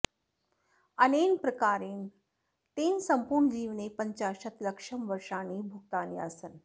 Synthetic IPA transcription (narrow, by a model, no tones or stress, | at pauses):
ənenpɾəkaɾiːn | t̪ensəmpuɾɳd͡ʑiːʋnepəɲt͡ɕaɕət̪ləkʂəmʋəɾʂañiːbʱukt̪aniə̰sən